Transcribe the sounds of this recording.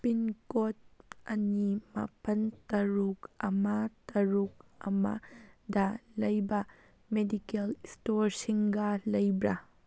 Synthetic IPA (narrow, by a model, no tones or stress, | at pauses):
pinkot̚ɐnimɐ̰pɐntɐɾukɐmɐtɐɾuk̚ɐ̰mɐ̰dɐlɐjbɐ | medikelstoɾsiŋɡɐlɐjbɾɐ